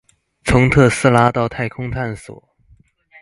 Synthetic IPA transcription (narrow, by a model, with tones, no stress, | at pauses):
t͡sʰʊ˧˥ŋt̪ʰɤ˥˧sɹ̩˥la˥t̪ɑ˥˧ʊt̪ʰa˥˩ɪkʰʊ˥ŋt̪ʰa˥˩nswɔ̰˨˩˦